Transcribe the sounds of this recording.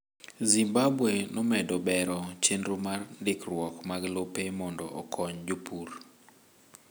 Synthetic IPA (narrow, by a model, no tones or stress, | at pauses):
zimbabwenɔmɛdɔbɛɾɔt͡ʃendɾomarndɪkrwɔkmaɡlopemɔndɔʔɔ̰kʰɔɲd͡ʒopur